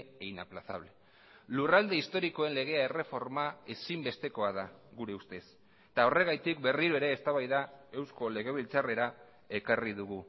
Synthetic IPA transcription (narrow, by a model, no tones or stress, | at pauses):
einaplasa̰βle̞ | lurald̪e̞ist̪o̞ɾiko̞e̞nle̞ɣ̞e̞ae̞re̞fo̞ɾmae̞simbe̞st̪e̞ko̞aðaɣuɾe̞ust̪e̞s | t̪ao̞re̞ɣ̞ajt̪ikbe̞riɾoe̞ɾe̞ːst̪aβajðae̞wsko̞le̞ɣ̞e̞β̞ilt͡sare̞ɾa | e̞kariðuɣu